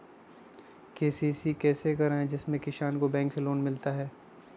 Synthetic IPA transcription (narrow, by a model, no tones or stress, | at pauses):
keːsiːsikɛːsekɐɾaːẽd͡ʒɪsmẽkɪʃaːnkobɛ̃ːŋksiloːnmɪlt̪aɦɛː